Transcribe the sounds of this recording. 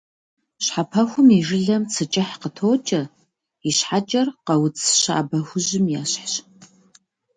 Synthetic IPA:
ɕħapʰɐxʷʊmiʒɨɮɐmt͡sʰɨt͡ʃʼɪħqətʰoːt͡ʃʼɐ | iɕħat͡ʃʼɐrqɐwʊt͡sʰɕa̰ːbɐxʷʊʑɪmjaːɕħɕ

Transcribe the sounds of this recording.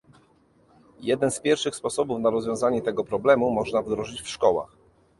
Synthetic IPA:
jɛd̪ɛnspʲjɛɾfʂɘxspɔsɔbufnaɾɔzvʲjɔ̃w̃zaɲɛt̪ɛɡɔpɾɔblɛmumɔʐnavd̪ɾɔʐɘt͡ɕfʂkɔwa̰x

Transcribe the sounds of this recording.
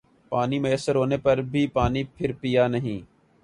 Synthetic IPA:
paːniːməəsəɾɦoːneːpɐɾbʱiːpaːniːpʰɪɾpijaːnəɦĩː

